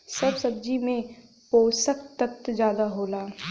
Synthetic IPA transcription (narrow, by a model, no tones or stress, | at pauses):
sɐbsɐb̚d͡ʒimẽ | poːsəkt̪ət̪d͡ʒjaːd̪aɦoːlaː